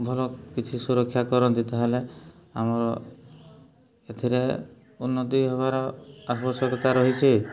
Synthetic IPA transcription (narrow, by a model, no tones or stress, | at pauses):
bʱɔlɔkit͡ʃʰisuɾɔkʰːjakɔɾɔnd̪it̪eɦelea̰mɔɾɔ | et̪ʰiɾe | unːɔt̪iɦɔbaɾɔasɔsɔkɔt̪aɾɔɦit͡ʃʰi